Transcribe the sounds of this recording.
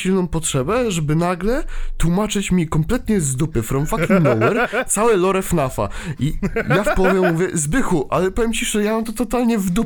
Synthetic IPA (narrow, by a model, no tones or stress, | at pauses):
ilnɔ̃w̃pɔtʂɛbɛʐɛbɘnaɡlɛt̪wumat͡ʂɘt͡ɕmʲikɔmplɛt̪ɲɛzd̪upɘfɾɔnfakilɔwɛɾt̪sawɛlɔɾɛfnafa̰ijafpɔwɔvʲjɛmuvʲjɛzbɘxuʔalɛpɔvjemt͡ɕiʂʐɛjamamt̪ɔt̪ɔt̪alɲɛvd̪u